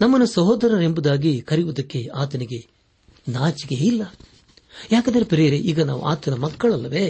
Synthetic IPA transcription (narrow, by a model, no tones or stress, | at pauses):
nɐmːɐnːusɐɦoːd̪ɐɾɐɾe̞mbud̪aːɡikɐɾijʋud̪ɐkːe̞aːt̪ɐniɡe̞ | naːt͡ʃiɡeilːɐ | jaːkɐd̪ɐɾepiɾɛjɐɾeʔiːɡɐna̰ːʋṵʔa̰ːt̪ɐnɐmɐkːɐɭɐlːɐʋeː